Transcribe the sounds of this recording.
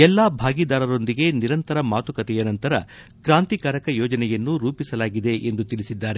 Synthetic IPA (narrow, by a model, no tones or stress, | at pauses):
ɛlːaːbʱaːɡid̪aːɾɐɾo̞nd̪iɡe̞niɾɐnt̪ɐɾɐmaːt̪ukɐt̪ɛjɐnɐnt̪ɐɾɐ | kɾaːnt̪ikaːɾɐkɐjɔːd͡ʒɐnɛjɐnːuɾuːpisɐlaːɡid̪e̞ʔend̪ut̪ilisid̪ːaːɾe